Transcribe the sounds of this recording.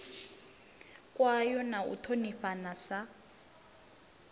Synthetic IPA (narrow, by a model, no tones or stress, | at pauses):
kʼwajɔnaṵtʰoniɸanasa